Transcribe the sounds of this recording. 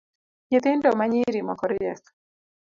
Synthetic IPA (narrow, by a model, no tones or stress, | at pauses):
ɲet̪endɔmaɲiɾimɔkɔɾjɛs